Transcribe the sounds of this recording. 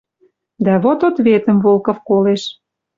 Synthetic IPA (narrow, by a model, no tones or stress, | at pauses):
d̪æβot̪ot̪βet̪ə̆mvolˠkŏfkoleʃ